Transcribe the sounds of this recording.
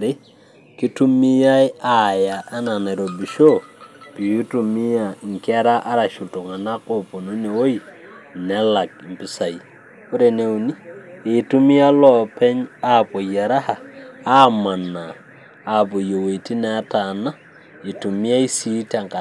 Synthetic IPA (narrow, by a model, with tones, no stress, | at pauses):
ɾi˦ | ki˦tu˦mi˦ja˦jaja˨ʔa˦na˨ne˨ɾo˨bi˨ʃo˦pi˨ju˦tu˨mi˦jaŋke˦ɾa˦ʔa˦ɾaʃu˨to˨ŋa˨na˦kopo˨nu˦ne˨wo˦ji | ne˦la˨k̚i˨mpi˦sa˨j | u˦ɾe˨ne˦wni˦e˨tu˦mi˦ja˦lɔpe˦ɲa˦po˨ja˨ɾa˦ha˨a˦ma˨naː˨ | bu˨jo˨we˨ti˦nea˦tana˦ | i˨tu˨mi˦ja˦jsi˦ta˨ŋka